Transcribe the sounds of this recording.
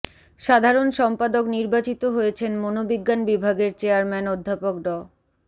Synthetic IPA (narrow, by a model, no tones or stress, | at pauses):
ʃad̪ʱaɾonʃɔmpad̪okniɾbat͡ɕit̪oɦojet͡ɕʰenmonobiɡːanbibʱaɡeɾt͡ɕeaɾmɛnod̪ʱːapokɖɔ